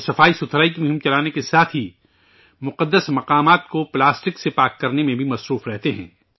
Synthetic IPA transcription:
sɐfaːisʊt̪ʰɾaːikimʊɦɪ̃mt͡ʃɐlaːnekesaːt̪ʰɦi | mʊqəd̪ːəsmɐqaːmaːt̪koplaːsʈɪksepaːkːɐɾnemẽbʱimɐsɾuːfɾɛɦt̪eɦɛ̰̃ː

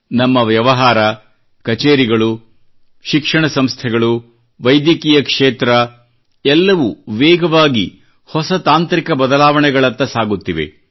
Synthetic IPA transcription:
nɐmːɐʋjɐʋɐɦaːɾɐ | kɐt͡ʃeːɾiɡɐɭu | ʃikʂɐɳɐsɐmst̪ʰɛɡɐɭu | ʋɐjd̪jɐkiːjɐkʂeːt̪ɾɐ | ɛlːɐʋuʋɛːɡɐʋaːɡḭ | hɔsɐt̪aːnt̪ɾikɐbɐd̪ɐlaːʋɐɳɛɡɐɭɐnt̪ːɐsaːɡut̪ːiʋḛ

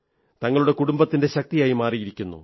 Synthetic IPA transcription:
t̪ɐŋːɐɭuɽe̞kuɽumbɐt̪ːinde̞ɕɐk̚t̪ijaːjimaːrijiɾikʲːunːṵ

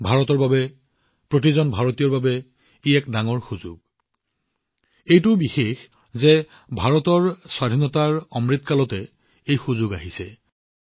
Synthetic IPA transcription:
bʱaɹɔtɔɹbabɛ | pɹotizɔnbʱaɹɔtijɔɹbabɛ | iɛkdaŋɔɹxuzʊɡ̚ | ejtʊbixex | zɛ | bʱaɹɔtɔɹswadʱinɔtaɹɔmɹit̪kalɔtɛ | ejxuzʊɡaɦisɛ

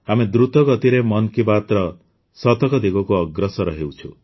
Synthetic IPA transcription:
amed̪ɾut̪ɔɡɔt̪iɾemɔnkibat̪ɾɔ | sɔt̪ɔkɔd̪iɡɔkuɔɡɾɔsɔɾɔɦewt͡ʃʰu

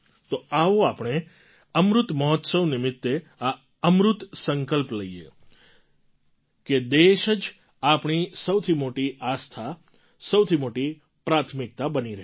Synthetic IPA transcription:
t̪oaʋoapɳ̃e | əmɾʊt̪məɦɔt̪səwnɪmɪt̪ːe | a | əmɾʊt̪səŋkəlpləiḛ | ked̪eʃəd͡ʒ | apɳ̃isəwt̪ʰimoʈiʔast̪ʰa | səwt̪ʰimoʈi | pɾat̪ʰmɪk̚t̪abəniɾəɦ

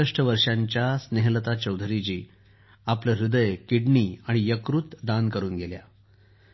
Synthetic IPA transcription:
əʂʈəʋəɾʂaɲt͡ɕjasneɦlət̪at͡ɕəwd̪ʱɾid͡ʑiː | apləɾud̪əjkiɽɳiːaɽ̃ijəkɾut̪d̪ankəɾuːnɡelja̰

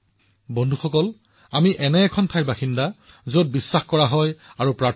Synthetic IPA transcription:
bɔndʱuxɔkɔl | amiʔɛnɛːkʰɔntʰajbaxinda | zod̚bisːaxkɔɹaɦɔjaɹupɹa

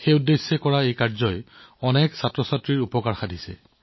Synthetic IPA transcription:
xejudːesːɛkɔɹaejkaɹzɔjɔnɛksatɹɔsatɹiɹupɔkaɹxadʱisɛ̰

